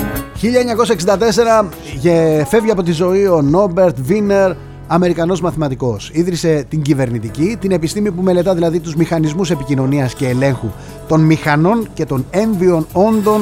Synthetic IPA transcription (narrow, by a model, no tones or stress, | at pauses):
çiʎɐeɲɐko̞sɐeksind̪ɐt̪e̞se̞ɾɐ | ʝefe̞vʝiɐpo̞t̪izo̞io̞no̞be̞ɾt̪vine̞ɾ | ɐme̞ɾikɐno̞zmɐθimɐt̪iko̞siðɾise̞t̪iɲɟive̞ɾnit̪icit̪ine̞pist̪imipume̞le̞t̪ɐðilɐðit̪uzmixɐnizmuse̞picino̞niɐsce̞ːle̞ŋxu | t̪o̞nmixɐno̞nce̞t̪o̞ne̞ɱðio̞no̞nd̪o̞n